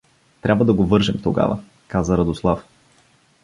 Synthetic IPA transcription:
t̪ɾʲabvəd̪ɐɡovɤɾʒɛmt̪oɡa̰və̰ | kazəɾɐd̪oslˠaf

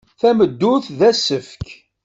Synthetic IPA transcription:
θæməd̪ːʊθðæsəfk

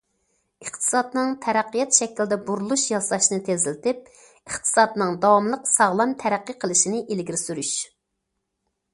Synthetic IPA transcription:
əχt̪ʰɨ̥sɑd̪nɨŋt̪ʰɛɾæqːijɛt̪ʃɛkʲild̪ɛbuɾulˠuʃjɑsɑʃnɨt̪ʰezɪlɪt̪ɪp̚ | əχt̪ʰɨ̥sɑd̪nɨŋd̪ɑwɑmlˠəqsɑʁlˠɑmt̪ʰɛɾæqːəqʰəlˠɪʃinɪʔelɡʲiɾɪsyɾyʃ

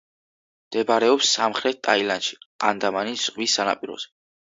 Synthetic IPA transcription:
md̪̥ɛbaɾɛɔpsːamχɾɛt̪̚t̪ʼailanʃi̥a̰nd̪amanisz̥ʁwisːana̰pʼiɾɔ̰z̥ɛ

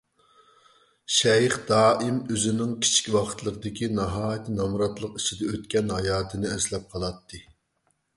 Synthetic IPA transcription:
ʃɛjχd̪̥ɑːʔɪmøzɪnɪŋkʲʰi̥t͡ʃʰi̥kʲwɑqʰə̥t̪lˠəqəd̪ɪkʲinɑɦɑːjt̪ʰnɑmɾɑt̪lˠəqi̥t͡ʃʰid̪ɛøt̪kʲɛnɦɑjɑːt̪ʰɨnɨɛslɛp̚qʰɑlˠɑt̪ːɨ

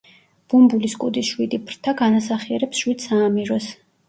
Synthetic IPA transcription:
b̥umbuliskʼud̪isʃwid̪ipʰɾt̪ʰaɡanasaχiɛɾɛpsʃwid̪saːmiɾɔs

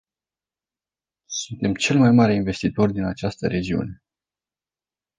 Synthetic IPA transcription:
sunt̪e̞mt͡ʃe̞lmajmaɾe̞inve̞st̪it̪o̞rʲd̪inat͡ʃast̪əɾe̞d͡ʒiṵne̞

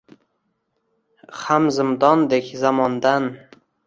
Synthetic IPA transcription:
χamzɪmd̪ɒnd̪ekʲzamɒnd̪an

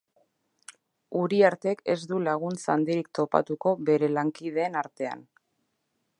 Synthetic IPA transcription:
uɾiaɾt̪e̞ke̞̰zd̪ulaɣ̞unt͡sand̪iɾikt̪o̞pa̰t̪uko̞βe̞ɾe̞laŋkið̞e̞ːnaɾt̪e̞a̰n

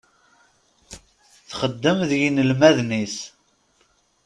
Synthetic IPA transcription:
θχəd̪ːəmðjinəlmæðnis

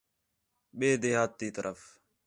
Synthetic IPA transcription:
ɓeːd̪ehaːt̪ːiːt̪ɐɾʔɐf

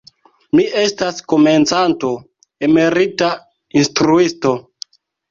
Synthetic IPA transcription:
miʔe̞stasko̞me̞nt͡santo̞ | eme̞ɾita | instɾuisto̞

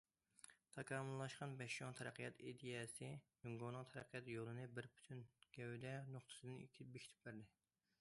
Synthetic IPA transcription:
t̪ʰɑkʰɑːmʊlˠːɑʃqɑnbɛʃoŋt̪ʰɛɾæ̰qʰijɑt̪id̪ijɛsɪjyŋɡonɨŋt̪ʰɛɾæqʰijɑt̪jolˠɨnɨbɪɾpʰy̥t̪ʰynɡ̥ʲɛwd̪ɛnoχt̪ʰɨ̥sɨd̪ɨnḭkʲʰi̥bekʰʲi̥t̪ʰy̥p̚bæɾd̪ɪ

